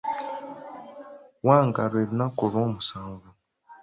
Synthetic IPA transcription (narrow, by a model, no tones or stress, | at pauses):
waːŋɡaɾweːβinakoɾoːmusaːɱvu